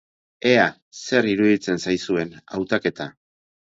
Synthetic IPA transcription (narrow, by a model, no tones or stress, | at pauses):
e̞a | se̞ɾiɾuðit͡se̞nsajsue̞nawt̪ake̞t̪a